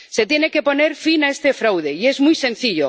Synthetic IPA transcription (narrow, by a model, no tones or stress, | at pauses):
set̪jeneke̞po̞ne̞ɾfinaest̪efɾawð̞e̞ie̞zmujsẽ̞n̟θiʎo